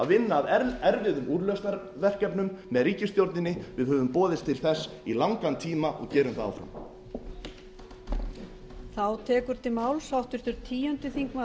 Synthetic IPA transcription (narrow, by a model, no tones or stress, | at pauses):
a̰vɪnːaːðɛɾvɪðʏmuːɾlœst̪aɾ | vɛr̥cɛpnʏmːɛðɾiːcɪst̪jowɾt̪nɪnːɪvɪðhœːvʏmpɔːðɪst̪ʰɪlθɛsːilawŋkant̪ʰiːmaʔɔ̰ɣcɛːɾʏmθaða̰wfɾa̰m | θawt̪ʰɛːkʏɾ̥t̪ʰɪmaːwlsawht̪ʏst̪ʏɾt̪ʰiːjœnt̪ʏθiŋkma